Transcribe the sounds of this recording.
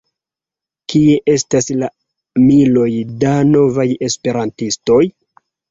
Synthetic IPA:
kie̞ʔe̞stasla | milo̞jdano̞vaje̞spe̞ɾantistoj

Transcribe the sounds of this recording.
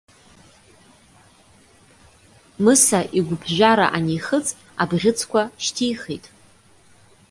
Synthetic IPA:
mɨsaʔiɡʷʊbʰʒʷᶣaɾa̰ʔanijχət͡sʼ | abʁʲɪt͡sʰkʷaʃtʰijχḛtʼ

